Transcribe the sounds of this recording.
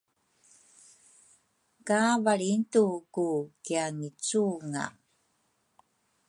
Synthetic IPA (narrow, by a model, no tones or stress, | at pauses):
kavaɭintukukiaŋit͡suŋa̰